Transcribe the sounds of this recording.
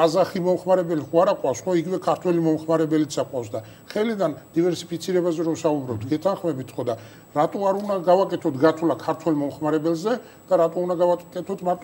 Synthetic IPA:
azaχimɔmχmaɾɛbɛliχuaɾaqʼwafsχɔiɡivɛkʰaɾt̪ʰwɛlimɔmχmaɾɛbɛlit̪saqʼwafsd̪a | χɛlid̪and̪̥ivɛɾsi̥pʰit̪sʰiɾɛbazɛɾɔmsaubɾɔb̚t̪ʰɡɛt̪ʰanχmɛbit̪ʰχɔd̪a | ɾat̪ʼɔaɾunaɡavakʼɛt̪ʰɔt̪ʰɡat̪ʰulakʰaɾt̪ʰwɛlˠmɔmχmaɾɛbɛlzɛ | d̪̥aɾat̪ʼɔund̪aɡakʼɛt̪ʰɔt̪ʰmat̪ʰ

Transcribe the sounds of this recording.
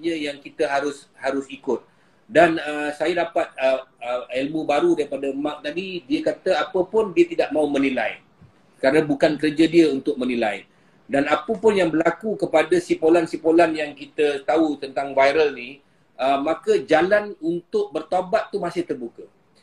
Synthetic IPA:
ɲə̃jaŋkit̪əɦaɾʊshaɾʊsikʊt̪̚ | danəsajadapat̪̚əəelmubaɾudaɾipadamãk̚laɡidiəkat̪əapəpʊndiət̪idaʔ̚mãumənila̰j | kaɾənãbukankəɾəd͡ʒadiəunt̪ʊk̚mə̃nilaj | danapəpʊnjaŋbəlakukəpadəsipolansipolanjaŋkit̪ət̪aut̪ənt̪aŋvajɾəlni | əmãkəd͡ʒalanunt̪ʊk̚bərt̪abat̪ːumasɪht̪ərbukə

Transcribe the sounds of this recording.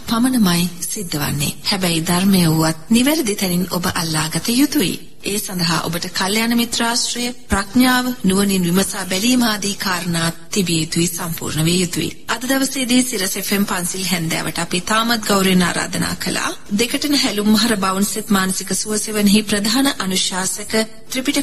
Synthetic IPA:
pamənəmajsid̪ːɐʋa̰nːḛhɛbɛjd̪aɾmejəuʋat̪̚niʋæɾəd̪it̪ɛninobəʔalːaːɡɐt̪əjut̪uʋḭ | eːsand̪əɦa̰ːʔo̰bəʈəkaljaːnəmit̪ɾaːsʈɾəjəpɾaknjaːʋənuʋəninʋimɐsaːbɛliːmaːd̪iːkaːɾnaːt̪ːibijejut̪uisampṵːɾnəʋeːjut̪uʋḭ | ɐd̪əd̪ɐʋəseːd̪iːsiɾəsefempansilɦɛnd̪ɛ̰ːʋʔə̰ʈəapeːt̪aːmat̪̚ɡawɾina̰ːɾa̰ːd̪əna̰ːkəla̰ː | d̪ekəʈənəɦælumːɐɦɐɾəbawunset̪maːnɐsikəsuəseʋənəɦipɾɐd̪ʱaːnəʔanuʃaːsəkə | t̪ɾipiʈə

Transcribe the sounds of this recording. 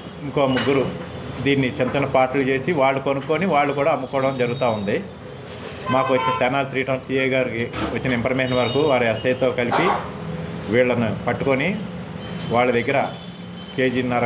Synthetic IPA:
iŋko̞ːmuɡːuɾud̪iːnːit͡ʃɐnt͡ʃɐnːɐpaːɾʈulut͡ʃeːsiʋaːɭːukonukoːniʋaːɭːukuːɽaːɐmːukɔːɽɐmd͡ʒɐɾuɡut̪aːund̪i | maːkuʋɐt͡ʃːinɐt̪ɛnaːlt̪ɾiːʈɐwnsiːɐjɡaːɾikiʋɐt͡ʃːinɐimpʰɐɾmeːʃɐnɐʋɐɾɐkuʋaːɾiɐsɐjɐt̪o̞ːkɐlipi | ʋiːɭːɐnupɐʈːukoni | ʋaːɭːɐd̪ɐɡːɐɾɐ | ke̞ːd͡ʒinːɐɾ

